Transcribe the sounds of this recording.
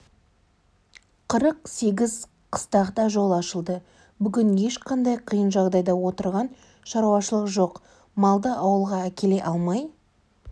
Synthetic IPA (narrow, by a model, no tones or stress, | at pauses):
qʰəɾəqse̞ɡʲɪz | qʰə̥st̪ɑqt̪ɑʒo̞lˠɑʃəlˠd̪ə | bʏɡʲɪnje̞ʃqʰɑnd̪ɑjqʰəjənʒɑʁd̪ɑjd̪ɑwo̞t̪əɾʁɑn | ʃɑɾuɑʃəlˠəqʒo̞q | mɑlˠd̪əɑwəlˠʁɑækʲʰe̞le̞ʔɑlˠmɑj